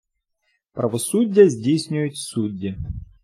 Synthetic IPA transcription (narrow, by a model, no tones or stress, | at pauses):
pɾʔɐvɐsudʲːɪjəzʲdʲejsʲnʲʊjʊt̪ʲsudʲːɪ